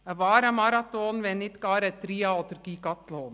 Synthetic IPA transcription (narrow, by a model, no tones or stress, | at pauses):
ʋɑːɾamɑɾɑt̪oːnʋɛnit̪kɑːɾət̪ːɾiːɑot̪ɾkiːkɑt̪loːn